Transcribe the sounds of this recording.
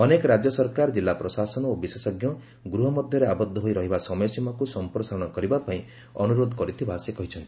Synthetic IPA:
ɔnekɔɾad͡ʒjɔsɔɾkaɾɔd͡ʒilːapɾɔsasɔnɔobisesɔɡjɔ | ɡɾuɦɔmɔd̪ʱjɔɾeabɔd̪ʱːɔɦojɾɔɦibasɔmɔjɔsimɔkusɔmpɾɔsaɾɔɽ̃ɔkɔɾibapaĩ | ɔnuɾod̪ʱɔkɔɾit̪ʰibasekɔɦit͡ʃʰɔnt̪i̥

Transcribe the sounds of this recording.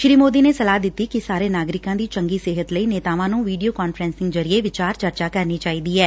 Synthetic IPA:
ʃɾiːmoːd̪iːneːsəlaːd̪ɪt̪ːiːkisaːɾeːnaːɡɾɪkãːd̪iːt͡ʃəŋɡiːsɪɦət̪ləiːneːt̪aːʋãːnũːʋiːɖijoːkaːnfɾɛ̃ːnsɪŋɡzəɾieːʋɪt͡ʃaːɾt͡ʃəɾt͡ʃaːkəɾniːt͡ʃaːiːd̪iːɛː

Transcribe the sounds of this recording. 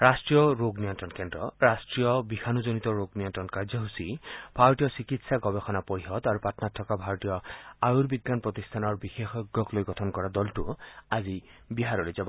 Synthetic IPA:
ɹastɹijɔɹoɡnijɔntɹɔnkendɹɔ̰ɹastɹijɔbixʰanuzonit̪ɔɹoɡnijɔntɹɔnkaɹzɔɦusibʱaɔtijɔsikitsaɡɔbexɔnapoɹiɦɔd̪aɹupatɔnatʰːɔkabʱaɹɔtijɔajuɹbiɡːanpɹɔt̪ist̪ʰanɔɹbixexɔɡːɔklojɡɔtʰɔnkɔɹadɔltuazibiɦaɹɔlojzabɔ

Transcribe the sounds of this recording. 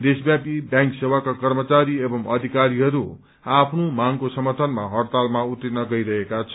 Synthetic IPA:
d̪esbjapibjãŋksewakakʌrmʌt͡saɾiebʌmʌd̪ʱikaɾiɦʌɾu | apʰnomaŋkosʌmʌrt̪ʰʌnmaɦʌrt̪almaut̪ːinʌɡʌiɾʌɦekat͡sʰʌ

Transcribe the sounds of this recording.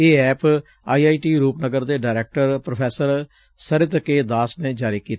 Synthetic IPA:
eːɛːp | aːiaːiːʈiːɾuːpnəɡəɾd̪eːɖaːɾɛːk̚ʈəɾpɾopʰɛːsəɾ | səɾɪt̪keːd̪aːsnẽːd͡ʒaːɾiːkiːt̪ː

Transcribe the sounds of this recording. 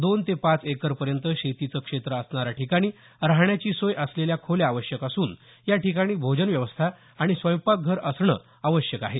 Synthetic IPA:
d̪ont̪epat͡sekəɾpəɾjənt̪əɕet̪it͡səkʂet̪ɾəəsɳaɾjaʈʰikaɽ̃iː | ɾaɦɳjat͡ɕiːsojʔəsleljakʰoljaːʋəɕjəkasuːn | jaʈikaɽ̃iːbʱod͡ʑənʋjəʋəst̪ʰa | aɽ̃isʋəjpak̚ɡʱəɾəsɳə̰ | aʋəɕjəkaɦe

